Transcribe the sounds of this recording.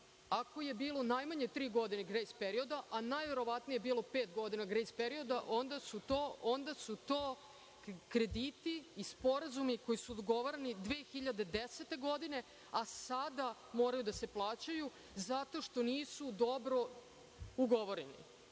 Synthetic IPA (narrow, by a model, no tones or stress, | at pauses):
ako̞je̞biːlˠo̞najmaɲet̪ɾiːɡo̞d̪ineɡɾejspeɾiod̪aʔanajʋe̞ɾo̞ʋat̪nijebiːlˠo̞peːt̪ɡo̞d̪inaɡɾejspeɾio̞d̪aʔo̞nd̪asut̪oːʔond̪asut̪oː | kɾe̞d̪iːt̪iːspo̞ɾazumiko̞jisud̪oɡo̞ʋoɾenid̪ʋe̞ːxiʎad̪e̞d̪eset̪e̞ɡo̞d̪ine̞ | asad̪a | moːɾajud̪ase̞plˠaːt͡ɕaju | zat̪o̞ʃt̪o̞niːsud̪o̞bɾo̞ | uɡo̞ʋo̞ɾenḭ